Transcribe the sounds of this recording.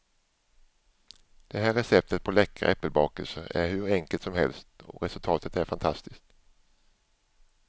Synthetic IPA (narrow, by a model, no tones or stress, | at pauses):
d̪̥ɛɦæːɾɛsɛp̚t̪ʰət̪̚pʰɔlɛkʰːa̰ʔɛpːəlbɑːkəlsəæ̰ɾhɵɾɛŋkəlt̪sɔmɦɛ̰lst̪ɔ̰ɾɛsɵlt̪ʰɑːt̪ət̪æɾfant̪ʰast̪ɪskt̪